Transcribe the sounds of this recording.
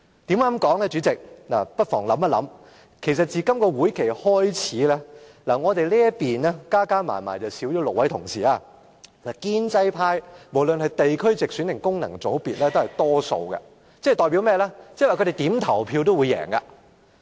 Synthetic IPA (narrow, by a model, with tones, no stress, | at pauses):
t̪i˨˥mŋa˨˥mkɔː˨˥ŋlɛː˥t͡ʃyː˨˥t͡sɪ˨k̚naː˨˩pɐ˥t̚fɔː˨˩ŋlɐ˨˥maː˨˧lɐ˨˥m | kʰe˨˩s̬ɐ˨t̚t͡siː˨kɐ˥mkɔː˧wuː˨˥jkʰe˨˩jhɔː˥jt͡sʰiː˨˥lɛː˥laː˨˩ŋɔː˨˧t̪e˨jliː˥jɐ˥t̚piː˨nɛː˥kaː˥kaː˥ma̰ː˨˩nma̰ː˨˩jt͡sɐ˨wsiː˨˥wt͡ʃɔː˨˥lʊ˨k̚wɐ˨˥jt̪ʰʊ˨˩ŋsiː˨˩aː˧ | laː˨˩kiː˥nt͡sɐ˥jpʰaː˥jmo˨˩wlɵ˨nhɐ˨jt̪e˨jkʰɵ˥ɥt͡sɪ˨k̚syː˨˥nːɪ˨˩ŋkʊ˥ŋnɐ̰˨˩ŋt͡so˨˥wpiː˨t̚lɛː˥t̪o˥hɐ˨˩jt̪ɔː˥so̰˧wkɐ̰˧ | t͡sɛ˥˨jt̪ɔː˨jp̬i˨˥wmɛː˥lɛː˥t͡sːwa˨kʰɵ˧ɾe˨jt̪iː˨˥mt̪ʰɐ˨˩wpʰiː˧wt̪o˥wuː˨˧jɛ̰ː˨˩ŋa˧